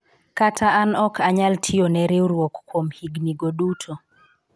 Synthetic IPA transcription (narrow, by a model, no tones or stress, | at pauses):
katʰaːnɔkʰaɲaltʰionɛɾeuɾwɔkkwomhiɡniɡoɗutʰo